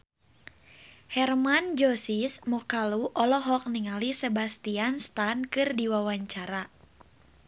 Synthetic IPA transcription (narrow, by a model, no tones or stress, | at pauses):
hɛrmand͡ʒɔsismɔkaluʔɔlɔɦɔk̚niŋalisebast̪ianst̪ankɨrdiwawaɲt͡ʃaɾa